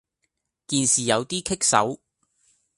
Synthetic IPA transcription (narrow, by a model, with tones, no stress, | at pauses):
t̪iː˨nsiː˨jɐ˨˧wt̪iː˥kʰɪ˥k̚sɐ̰˨˥w